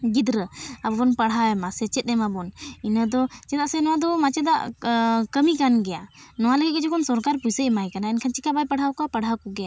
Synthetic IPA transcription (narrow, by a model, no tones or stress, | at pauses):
ɡid̪ɾəabɔnpaɽɦawɛmasɛt͡ʃɛt̪̚ˀɛmabɔninəd̪ɔt͡ʃɛd̪aʔsɛnɔwad̪ɔmat͡ʃɛd̪a̰ʔkəmikanɡɛjanɔwaləɡɛt̪̚kɛd͡ʒɔkʰɔnsɔɾkaɾpujsəʔmajkanaɛnkʰant͡ʃikabajpəɽ̤awkɔapaɽɦawkɔɡɛja